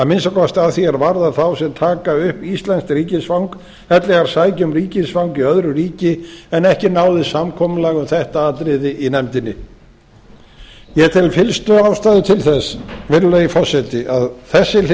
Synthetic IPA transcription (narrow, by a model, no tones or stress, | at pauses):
amɪnsakɔst̪aðθjiɛɾvaɾðaɾθawsɛmt̪ʰaːkaʏhpist̪lɛnskɾiːcɪsfawŋk | ɛt̪lɛɣaɾ̥saːjcʏmɾiːcɪsfawŋkiœðɾʏɾiːcɪɛnɛhcɪnaːwðɪsamkʰɔːmʏlaɣʏmθɛht̪aaːt̪ɾɪðɪʔinɛmt̪ɪnːɪ | jɛt̪ʰɪlfɪlst̪ʏawst̪aːðɪt̪ʰɪlθɛsvɪɾʏlaifɔsɛt̪ɪʔaðθɛsːɪ